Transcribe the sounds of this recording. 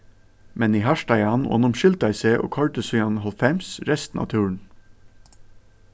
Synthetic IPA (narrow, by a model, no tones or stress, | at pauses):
mɛniːɦɑʃʈæɪɑno̰ːnʊmʃʏld̪æɪseːʔo̰ːkʰɔɹʈ̪əsyːɑnhɔlfɛmsɾɛst̪n̩ɑ̰ːt̪ʰʉːɹɳ̩